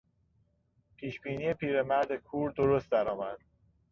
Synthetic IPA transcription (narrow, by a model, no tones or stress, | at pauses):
pʰiːʃbiːniːjepʰiːɾe̞mæɾd̪ekʰuːɾd̪oɾost̪̚d̪æɾɒːmæd̪̥